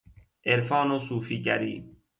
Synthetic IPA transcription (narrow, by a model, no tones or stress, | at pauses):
eɾfɑːnosuːfiɟæɾḭː